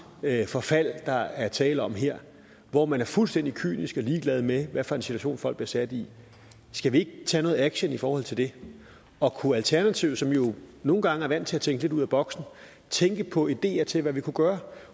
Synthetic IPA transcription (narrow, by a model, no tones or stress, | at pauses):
øfɒ̽fæl̰d̥ɑ̈æɐt͡sʰɛːləɒ̽mɦeɐ̰ | ʋɒmænæɐfulsd̥en̰d̥ikʰy̰ːnisɡ̥ɒ̽liːɡ̥lɛð̞̩ˠmeʋæfɒɐe̝nsit͡sʰuæɕo̝̰ːnfɒ̽l̰ɡb̥liɐsæd̥i | sɡ̥æʋie̝ɡ̥ət͡sʰɛ̰ːnɔ̽ːð̩ˠæɡ̥ɕənifɒːhɒ̽l̰t͡sʰe̝ld̥e̝ | ɒ̽kʰuælt͡sʰæɐnæt͡sʰiʊsɒ̽mjo̝no̝ːn̩ɡ̥ɑ̈ŋəæɐʋæn̰d̥t͡sʰe̝læt͡sʰeŋɡ̥le̝ɾuð̰ˠæb̥ɒ̽ɡ̥sn̩ | t͡sʰeŋɡ̥əpʰɒ̽id̥e̝̰ːɐt͡sʰe̝lʋæʋikʰuɡ̥ɶːɐ